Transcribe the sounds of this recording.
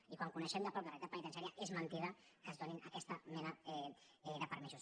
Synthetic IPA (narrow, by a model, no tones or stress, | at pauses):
ikwaŋkunəʃɛmd̪əpɾɔk̚d̪ərɛit̪at̚pənit̪əns̬aɾiaʔezmənt̪iðəkəzðoninɐkɛst̪ɐmɛnɐɛ | ɛðəpəɾmisus